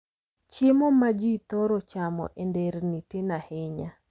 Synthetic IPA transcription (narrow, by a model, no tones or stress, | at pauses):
t͡ʃemɔmad͡ʒit̪ɔɾɔt͡ʃamɔ̰ʔendeɾnitɪnahɪɲa